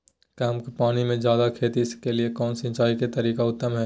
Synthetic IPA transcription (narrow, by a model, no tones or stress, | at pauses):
kaːmkepaːnimẽd͡ʒjaːd̪akʰeːt̪iɪskeliekɔːnsɪ̃nt͡ʃaːiket̪ɐɾiːkaʊt̪ːəmɦɛː